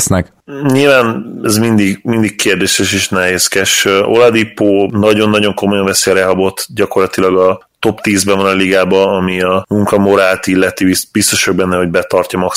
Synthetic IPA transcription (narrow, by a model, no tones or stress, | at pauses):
snɛk | ɲilvaːnɛzmind̪iɡmind̪ikkeːrd̪eːʃɛʃeːʃnɛɦeːskɛʃʔo̰lɒd̪ipoːnɒɟo̞nːɒɟo̞ŋkomojɒɱvɛseɾɛɦɒbo̞t̪ɟɒko̞rlɒt̪ilɒɡɒ | t̪o̞pt̪iːzbɛvɒnɒliɡaːbɒɒmiɒmuŋkɒmo̞ɾaːlt̪ilːɛt̪iisb̥ist̪o̞ʃɒɡ̚bɛnːɛɦo̞ɟbɛt̪ɒrcɒmɒk